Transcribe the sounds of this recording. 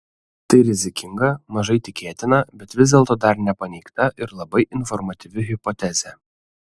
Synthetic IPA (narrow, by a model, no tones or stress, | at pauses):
t̪ɐɪɾʲɪzʲɪkʲɪŋɡɐmɐʒɐɪt̪ʲɪkʲeːt̪ʲɪnɐbʲɛt̪ʋʲɪzd̪ʲeːlˠt̪oːd̪ɐɾnʲɛpɐnʲɛɪkt̪ɐʔɪɾlˠɐbɐɪʔɪnfɔɾmɐt̪ʲɪʋʲɪɦʲɪpɔt̪ʲɛzʲɛ